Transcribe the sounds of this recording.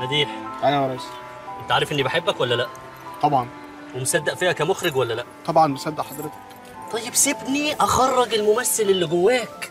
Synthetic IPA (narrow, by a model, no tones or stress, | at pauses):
næd̪iːħʔæjæmæɾɑsˤ | ʔent̪æʕaːɾefʔenːibeħebːækwælːælæʔ | t̪ˤɑbʕɑn | wemsæd̪ːæʔfiːhækæmoxɾeɡwælːælæʔt̪ˤɑbʕɑnbesæd̪ːæʔħɑd̪ɾet̪ɑ̥k | t̪ˤɑjːebsebniʔæxɑrˤːɑɡelmomæsːelelːiɡowːæːk